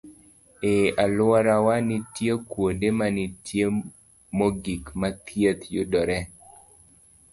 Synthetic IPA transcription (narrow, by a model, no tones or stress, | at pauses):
ealwaɾawanitjekwondemanitʰje | moɡikmat̪ʰjet̪jʊdɔɾɛ